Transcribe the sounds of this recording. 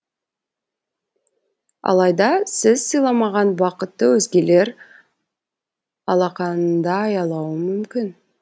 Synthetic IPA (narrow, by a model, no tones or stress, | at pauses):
ɑ̰lˠɑjd̪ɑsɪzsɨjlˠɑmɑʁɑnbɑqət̪ːəwɵzɡʲe̞le̞ɾ | ɑlˠɑqɑnənd̪ɑːjɑlˠɑwəmʏmkʲɪn